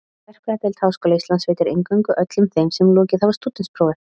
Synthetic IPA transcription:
vɛr̥kʰvɛat̪ɪlt̪hawskoːlaist̪lansveːjt̪ɪɾɪŋkœŋkʏʔœt̪lʏmθejmsɛmlɔːcɪθavast̪uːt̪ɪnspʰɾowvɛ

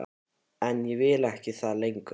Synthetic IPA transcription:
ɛnjɛvɪːlɛhcɪθaðlejŋkʏ

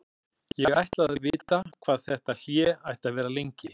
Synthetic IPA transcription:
jɛɣajht̪laððvɪːt̪akʰv̥aːðθɛht̪asjɛajht̪aðvɛːɾalejɲcɪ

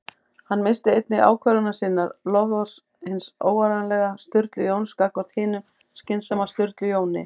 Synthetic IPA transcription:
hanːmɪst̪ɪejt̪̚nɪɣa̰ːwkʰvɛɾʏnasiːnːaɾlɔvðɔ̥s | hɪnso̰ːwaɾanlɛɣast̪ʏɾt̪lʏjoːwnskakvɔɾ̥t̪hɪːnʏ | scɪnsɛmast̪ʏɾt̪lʏjoːwnɪ̰

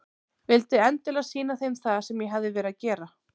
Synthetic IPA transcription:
vɪlt̪ɪɛnt̪ɪlasiːnaθejnθaðsɛmjɛɦavðɪvɛːɾɪaðcɛːɾa

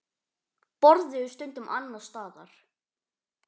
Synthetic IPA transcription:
pɔɾðɪʏst̪œnt̪ʏmʔa̰nːast̪ɑːða̰ɾ̥

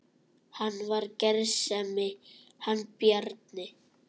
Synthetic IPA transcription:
hanːvaɾcɛɾsɛmɪhanːpjɛɾt̪̚nɪ

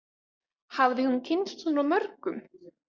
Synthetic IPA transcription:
havðɪhuncʰɪnst̪unawmœɾkʏm

